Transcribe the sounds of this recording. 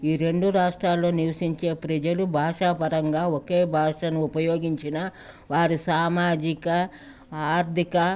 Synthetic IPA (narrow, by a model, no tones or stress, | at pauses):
iːɾe̞ɳɖuɾaːʂʈɾaːlːo̞ːniʋɐʃiɲt͡ʃe̞ːpɾɐd͡ʒɐlubʱaːʂapɐɾɐŋɡaːoke̞ːbʱaːʂɐnuːpɐjo̞ːɡiɲt͡ʃinɐ | ʋaːɾisaːmaːd͡ʒikɐ | aːɾd̪ʱikɐ